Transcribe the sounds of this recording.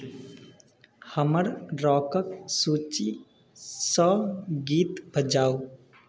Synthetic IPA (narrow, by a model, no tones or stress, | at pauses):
həməɾɾɔːkəksuːt͡ʃi | sɔːɡiːt̪bʱəd͡ʒaːo